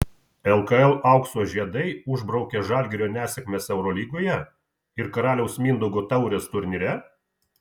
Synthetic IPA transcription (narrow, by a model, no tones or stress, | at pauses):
ɛlˠkɐɛlˠʔɐˑʊksoːʒʲiɛd̪ɐɪʊʒbɾɐʊkʲɛʒɑːˑlʲɡʲɪɾʲoːnʲæːsʲɛkʲmʲesɛʊɾɔlʲiːɡoːjɛ | ɪɾkɐɾɑːlʲɛʊsmʲind̪ʊɡoːt̪ɐʊɾʲest̪ʊɾʲnʲɪɾʲɛ